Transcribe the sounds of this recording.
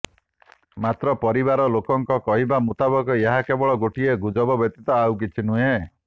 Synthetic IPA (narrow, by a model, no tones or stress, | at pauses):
mat̪ɾɔpɔɾibaɾɔlokɔŋkɔkɔɦibamut̪abɔkɔeɦakebɔɭɔɡoʈieɡud͡ʒɔbɔbɔt̪it̪ɔawk̬it͡ʃʰinuɦe